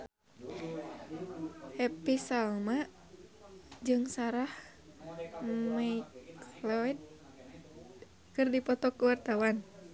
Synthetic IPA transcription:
hɛpisalma | d͡ʒɨŋsaɾah | majklɔid̪̚ | kɨrdipɔt̪ɔkuwart̪awan

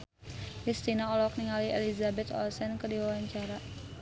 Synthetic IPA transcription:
kɾist̪inaɔlɔk̚niŋaliḛlizabɛt̪ɔ̰lsɛnkərdiwawaɲt͡ʃaɾa

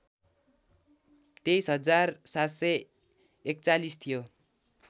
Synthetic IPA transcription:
t̪ejsɦʌd͡zarsat̪sʌ | ekt͡salist̪ʰijo

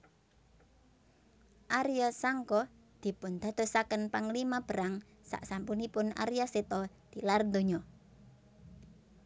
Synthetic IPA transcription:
ʔaɾijɔsaŋkɔ | d̪̥i̤pʊnd̪̥a̤d̪̥o̤sakənpaŋlimab̥ə̤ɾaŋ | sa̰ʔsampunipʊna̰ɾijɔset̪ɔd̪̥i̤larnd̪oɲɔ

